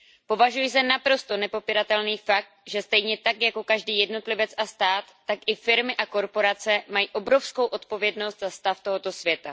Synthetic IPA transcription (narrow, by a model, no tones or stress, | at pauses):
po̞vaʒujisɛnapɾo̞st̪o̞nɛpo̞piɾat̪ɛlniːfak̚t̪̚ʒɛst̪ɛjɲɛt̪akjako̞kaʒdiːjɛdno̞t̪lɪvɛt͡sast̪aːt̪ːakʔɪfɪɾmɪʔako̞ɾpo̞ɾat͡sɛmajiːʔo̞bɾo̞fsko̞wʔo̞t̪̚po̞vjɛdno̞st̪zast̪aft̪o̞ɦo̞t̪o̞svjɛt̪a